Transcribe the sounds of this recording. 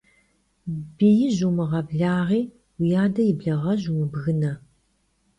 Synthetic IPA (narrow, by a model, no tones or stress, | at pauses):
bijɪʑumɨʁɐbɮaːʁiː | wijaːdɐjɪbɮɐʁɐʑumɨbɣɨnɐ